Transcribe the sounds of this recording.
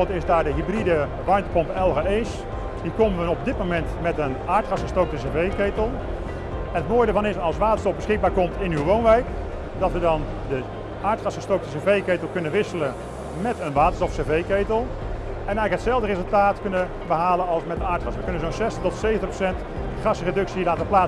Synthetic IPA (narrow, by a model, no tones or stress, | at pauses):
tɪzdaːɹdəɦibridə | ʋɑɹmtəpɔmpɛlˠɣaes | diːkoməʋəɔb̚dɪt̚momɛntmɛtənaːɹtχɑsχəstowk̚təsevejkejtəlˠ | ɛnətmoːjdəɹvɑnɪsɑlˠsʋaːtənstɔfbəsχɪɡ̚baːɹkɔmtɪnywʋownʋɛjk | dɑtʋədɑn | də | ʔaːɹtχɑsχəstowk̚təsevejkejtlˠkɵnənʋɪsələ | mɛtənʋaːtəɹstɔfsevejkeːtəlˠ | ɛnɛəkətsɛlˠvdərezəlˠtaːtkɵnə | bəɦaːlənɑlˠsmɛtdəaːɹtχɑsʋəkɵnənzonsɛstəχtɔtsejvəntəprosɛnt | χɑsredɵksilaːtəplaː